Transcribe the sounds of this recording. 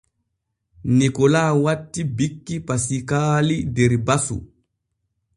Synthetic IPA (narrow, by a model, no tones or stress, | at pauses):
nikɔlaːwatːibikːipasikaːlidɛɾbasṵ